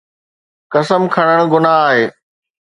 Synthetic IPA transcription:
kɐsəmkʰɐɽ̃əɽ̃ɡʊnaaːɦeː

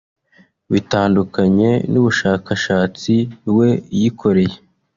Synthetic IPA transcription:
βitaːndukaɲe̞nuβuʃaːkaʃaːt͡siwe̞jikʰo̞ɾe̞je

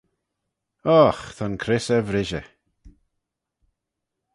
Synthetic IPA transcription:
ɔxt̪ʰankʰɾɪsəvɾɪʒə̰

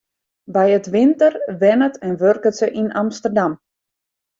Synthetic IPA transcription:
bɛjətʋɪntərʋɛnətɛnʋørkətsəʔinamstərdam

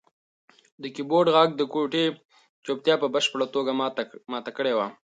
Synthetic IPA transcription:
d̪əkiboɾɖɣɑɡ̚d̪əkoʈe | t͡ʃopt̪jɑpəbəʃpəɽat̪oɡamɑt̪akəɽewa

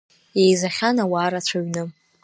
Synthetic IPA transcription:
jejzaχʲanawaːɾat͡ɕʷʰaɥnɨ

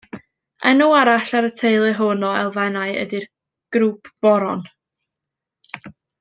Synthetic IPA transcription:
ɛnuaɾaɬaɾətʰejlˠɨɦʊnɔɛ̰lˠðɛnaɨə̰dɪr | ɡ̥ɾuːpʰb̥ɔɾɔn

